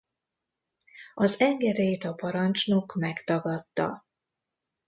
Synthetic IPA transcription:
ɒzɛŋɡɛɾeːt̪ɒpɒɾɒnt͡ʃnokmɛkt̪ɒɡɒt̪ːɒ̰

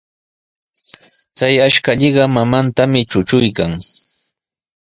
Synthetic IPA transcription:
t͡sajaʃkaʎɪɢɑmamant̪amɪt͡ʃʊt͡ʃʊjkaŋ

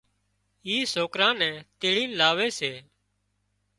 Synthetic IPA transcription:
iːsoːkɾãːnɛ̃ːt̪eːɭĩːnlaːʋeːseː

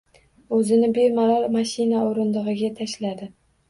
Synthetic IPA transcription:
ɵzɪnɪbeɾmaɾɒlˠmaʃɪnaoɾɪnd̪ɨʁɨɡʲat̪ʰaʃlad̪ɪ

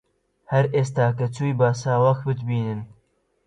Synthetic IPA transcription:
hɐɾʔeːst̪aːkɐt͡suːjbaːsaːwɐxbɨt̪biːnɨn

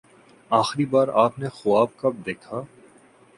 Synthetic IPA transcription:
aːxɾibaːɾaːpnexʊaːb̚kɐb̚d̪eːkʰaː

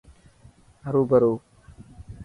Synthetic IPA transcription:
ɦəɾuːbəɾoː

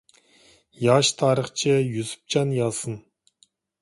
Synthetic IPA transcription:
jɑʃt̪ʰɑːɾəχt͡ʃʰɪjyzy̥p̚t͡ʃʰɑnjɑlˠsɨn

